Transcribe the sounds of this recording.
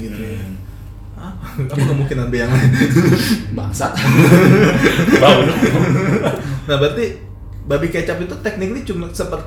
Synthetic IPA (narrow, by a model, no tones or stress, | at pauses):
ɡit̪u | apaapakəmuŋkinanbejaŋ | ba̰sat̪̚ | baunʊ | nahbart̪i | babikat͡ʃapit̪ut̪ɛk̚nɪk̚nit͡ʃumasəmpət̪